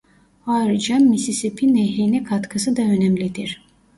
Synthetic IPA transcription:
haːɾid͡ʒanmisisepʰinɛɦejnɛkʰat̪kʰɯsɯd̪aø̞næmlʲid̪iɾ̥

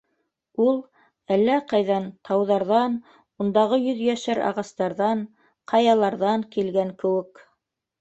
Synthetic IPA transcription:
ulˠ | ælːæqɑjðɑnt̪ʰɑwðɑɾðɑn | und̪ɑʁɤjɵ̆ðjæʃæɾɑ̰ʁɑst̪ɑɾðɑn | qʰɑjɑlˠɑɾðɑŋkilɡæŋkɘ̆wɘ̆k

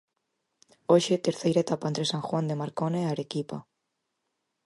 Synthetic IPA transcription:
oʃet̪eɾθejɾaet̪apand̪ɾesaŋxwand̪emaɾkoneaɾekipa

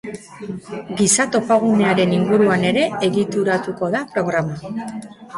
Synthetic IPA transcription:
ɡisat̪o̞paɣ̞une̞aɾe̞niŋɡuɾuane̞ɾe̞eɣit̪uɾat̪uko̞ðapɾo̞ɣ̞ɾama

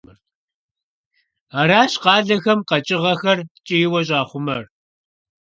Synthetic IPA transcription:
ɐr | aɾaːɕqɑːɮɐxɐmqɐt͡ʃʼɪʁɐxɐrt͡ʃʼɪjɪwɐɕʼaːχʷʊmɐr

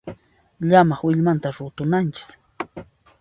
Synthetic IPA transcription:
ʎamɑχwɪʎmant̪aɾʊt̪ʊnant͡ʃɪ̥k

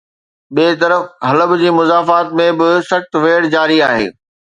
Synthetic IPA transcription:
ɓiːt̪ɐɾəfɦɐləbd͡ʑiːmʊzaːfaːt̪mẽbɪsɐxt̪ʋeːɽd͡ʑaːɾiaːɦḛː

